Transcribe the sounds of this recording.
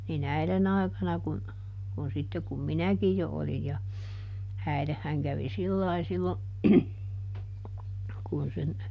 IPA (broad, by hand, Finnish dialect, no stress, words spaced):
nin æilen ɑˑikɑnɑ kun kun sitːe kum minækij jo olij jɑ æilehːæŋ kæʋi silːɑi silːo kun sen